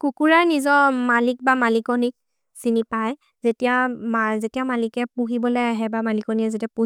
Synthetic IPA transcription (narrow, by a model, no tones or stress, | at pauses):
kukuɹaɹnizɔmalik̚bamalikɔnik̚ | sinipaj | zetijamazetijamalikɛpuɦibɔlɔjaɦɛbamalikɔniɛzetiapu